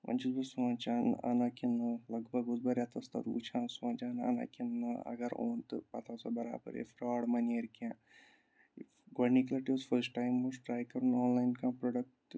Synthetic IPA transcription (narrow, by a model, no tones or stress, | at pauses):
ʋɐ̰nt͡ʃizbɐsʋãːnt͡ʃana̰nakinɨlɐɡbʱɐɡuzbɐɾjat̪ɐst̪ɐ̰t̪ṵt͡ʃʰãːnsʋãːnt͡ʃaːnɐ̰na̰kinːɨɐ̰ɡɐɾo̰ːnt̪ɨpɐt̪ʰasabɐɾa̰ːbɐ̰ɾḛfɾaːɽmɐneɾkãː | ɡɐniklɐʈiʋzfɐɾsʈaːjmːusʈɾaːjkɐɾunoːnlaːjnkãːpɾoɖɐk̚ʈ